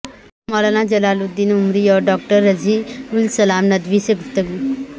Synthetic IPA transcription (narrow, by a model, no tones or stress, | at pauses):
mɔlanad͡ʒəlaːlud̪inumɾiɔɖɔːk̚ʈəɾːəd͡ʒiulsəlaːmnəd̪ʋiseɡʱut̪ːəɡu